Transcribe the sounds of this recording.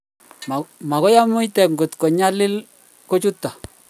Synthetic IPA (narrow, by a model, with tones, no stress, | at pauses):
ma˨kɔ˦ja˦mʊ˦jtɛ˨kŋɡʊ˨tkɔ˨ɲa˦lɪ˦l | ko˦t͡ʃu˦tːa˨